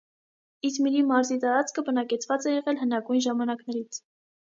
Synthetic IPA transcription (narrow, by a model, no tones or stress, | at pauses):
it̪miɾimɑɾzit̪ɑɾɑt͡skʰəbənɑkɛt͡sʰvɑt͡sɛjɛʁɛlɦənɑɡujnʒɑmɑnɑknɛɾit͡sʰ